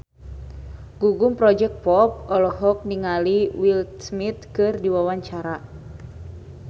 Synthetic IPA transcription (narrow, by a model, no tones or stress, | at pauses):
ɡ̥uɡumpɾɔd͡ʒɛk̚pɔp̚ɔlɔɦɔk̚niŋaliwilsmit̪̚kɨrdiwawaɲt͡ʃaɾa